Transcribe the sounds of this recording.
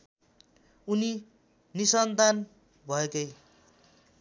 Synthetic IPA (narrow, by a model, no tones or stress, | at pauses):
uni | nisʌnt̪an | bʱʌekʌj